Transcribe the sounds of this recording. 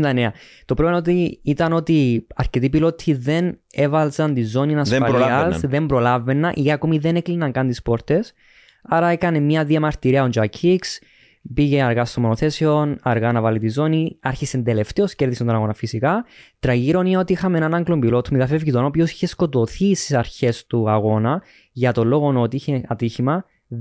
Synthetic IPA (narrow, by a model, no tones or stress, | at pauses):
nd̪ɐneɐ | t̪o̞pɾonot̪iit̪ɐno̞t̪iɐɾce̞t̪̬ipilo̞t̪ʰːiðe̞nevɐlzɐnt̪izo̞ninɐsɐʎɐsðe̞mbɾo̞lave̞nːɐʔiɐkomiðe̞neklinɐŋkɐnt̪ispo̞ɾt̪e̞s | ɐɾɐekɐnemɲɐðiɐmɐɾt̪iɾiɐond͡ʒɐkʰiks | piʝe̞ɐɾɣast̪omːonoθe̞sio̞nɐɾɣanɐvɐlit̪izo̞niɐɾçise̞nd̪e̞le̞ft̪eo̞sce̞ɾðisent̪onaɣo̞nɐfisikɐt̪ɾɐɣiɾo̞nineot̪iixɐmenɐnɐŋɡlombilo̞t̪ʰumet̪ɐfe̞vʝit̪onopio̞si̥çe̞sko̞t̪o̞θist̪isɐɾçe̞st̪uɐɣo̞nɐ | ʝɐt̪o̞lːo̞ɣo̞not̪iiçe̞ɐt̪içimɐ